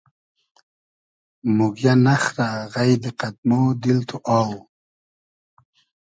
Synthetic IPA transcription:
muɡjanaχɾaɣajd̪eqad̪̚mod̪ilt̪ʰoʔɑːw

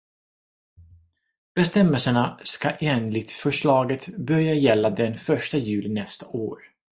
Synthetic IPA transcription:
b̥ɛst̪ɛmːɛlsəɳaskaʔeːnlɪt̪fœʂɭɑːɡət̪bœɾjajɛlːad̪ɛnfœʂʈajʉ̟ːlɪnɛst̪aʔo̰ːɾ

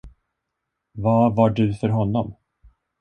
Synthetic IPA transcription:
vɑvaɖɵfœɾɦɔnːɔm

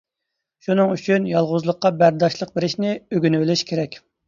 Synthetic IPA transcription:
ʃunɨŋyt͡ʃʰynjɑlˠʁʊzlˠəqːɑbæɾd̪ɑʃlˠəq̚beɾɪʃnɪøɡʲynywɪlɪʃkʲʰeɾɛkʲ

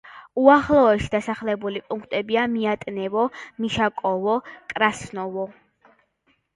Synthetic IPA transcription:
uaχlˠɔɛʃid̪asaχlɛbulipʼuŋkʰt̪ʼɛbiamiat̪ʼnɛvɔmiʃakʼɔvɔkʼɾasnɔvɔ

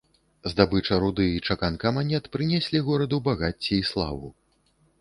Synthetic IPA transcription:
zd̪abɨt͡ʂɐɾud̪ɨit͡ʂakankɐmanʲɛt̪pɾɨnʲɛsʲlʲiɣɔɾɐd̪ubaɣat͡sʲːiːslˠa̰vṵ

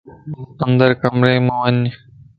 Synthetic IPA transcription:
ɐnd̪əɾkɐmɾeːmãːʋəɲ

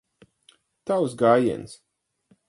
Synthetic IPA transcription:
t̪awsɡaːjḭns

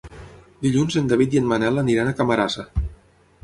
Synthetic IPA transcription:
d̪iʎunzend̪aβit̪jənmanɛlaniɾanakamaɾasa

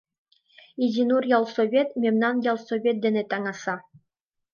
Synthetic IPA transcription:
idʲinurjɑlˠsoβʲet̪mʲemʲnɑnjɑlˠsoβʲet̪̚d̪ʲĕnʲet̪ɑŋɑsɑ

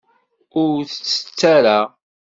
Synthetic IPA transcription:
ʊɾθət͡sːə̥t͡sːaɾa

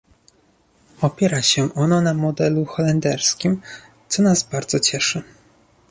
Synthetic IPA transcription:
ɔpʲjɛɾaɕɛʔɔnɔnamɔd̪ɛluxɔlɛnd̪ɛɾskʲim | t̪sɔnazbaɾd̪z̥ɔt͡ɕɛʂɘ

